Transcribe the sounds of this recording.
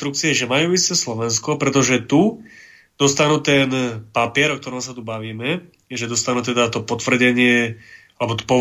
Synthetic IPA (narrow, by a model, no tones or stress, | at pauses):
t̪ɾukt͡siɛɛʒɛmajuːist̪ɛslɔʋɛnskɔpɾɛt̪ɔʒɛt̪u | d̪̥ɔst̪anuːt̪ɛnpapɪɛɾɔk̚t̪ɔɾɔmsat̪ubaʋiːmɛ | ʒɛd̪ɔst̪anuːt̪ɛd̪at̪ɔpɔt̪ʋr̩ɟɛɲɪɛ | alɛbɔt̪ɔ̥pɔ